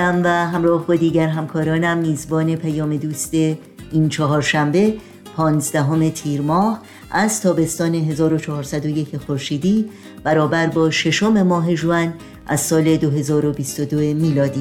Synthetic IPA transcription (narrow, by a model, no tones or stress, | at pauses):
æmvæɦæmɾɒːhbod̪iːɟæɾɦæmkʰɒːɾɒːnæmːiːzbɒːne̞pʰæjɒːme̞d̪uːst̪e̞ | iːnt͡ʃʰɒɦɒːɾʃæmbe̞ | pʰɒːnzd̪æɦo̞me̞t̪ʰiːɾmɒːh | ʔæzt̪ʰɒːbe̞st̪ɒːne̞ɦe̞zɒːɾo̞t͡ʃʰɒɦɒːɾsæd̪o̞je̞cʰexoɾʃiːd̪iː | b̥æɾɒːbæɾbɒːʃe̞ʃo̞me̞mɒːɦe̞ʒuæn | ʔæz̥sɒːle̞d̪oɦe̞zɒːɾo̞biːst̪od̪oemiːlɒːd̪iː